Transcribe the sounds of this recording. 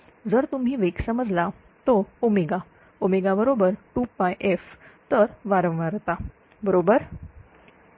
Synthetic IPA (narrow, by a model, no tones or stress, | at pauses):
d͡zəɾt̪um̤ɦiːʋeksəməd͡zla | t̪oomiɡa | omeɡabəɾobəɾʈupajʔeft̪əɾʋaɾə̃ʋ̃ʋaɾt̪a | bəɾobəɾ